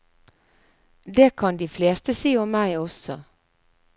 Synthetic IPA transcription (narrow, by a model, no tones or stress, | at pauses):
d̪eːkʰɑnd̪iːfleːst̪əsiːɔmmæɪɔsɔ